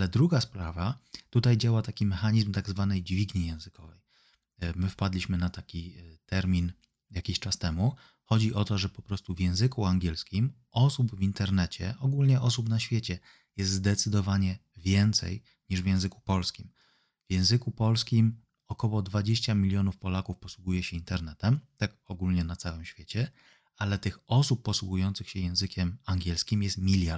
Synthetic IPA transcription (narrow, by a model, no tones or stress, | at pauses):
alɛd̪ɾuɡaspɾavat̪ut̪ajd͡ʑawat̪akʲimɛxaɲizmt̪aɡzvanɛjd͡ʑvʲiɡɲijɛ̃w̃zɘkɔvɛj | mɘfpad̪lʲiɕmɘnat̪akʲit̪ɛɾmʲin | jakʲiɕt͡ʂast̪ɛmu | xɔd͡ʑiʔɔt̪ɔʐɛpɔpɾɔst̪uvʲjɛ̃w̃zɘkuaŋɡʲɛlskʲim | ɔsubvʲint̪ɛɾnɛt͡ɕɛ̰ʔɔɡulɲɛʔɔsupnaɕfʲjet͡ɕɛ | jɛst̪zd̪ɛt̪sɘd̪ɔvaɲɛvʲjɛnt̪sɛ̰j | ɲiʐvʲjɛ̃w̃zɘku̥pɔlskʲim | vjɛ̃w̃zɘkupɔlskʲim | ɔkɔwɔd̪vad͡ʑeɕt͡ɕamʲilʲjɔnufpɔlakufpɔswuɡujɛɕɛint̪ɛɾnɛt̪ɛmt̪akɔɡulɲɛnat̪sawɘmɕfʲjet͡ɕɛ | alɛt̪ɘxɔsupːɔswuɡujɔnt̪sɘxɕɛjɛ̃w̃zɘkʲʰɛmaŋɡʲɛlskʲimjɛst̪mʲilʲja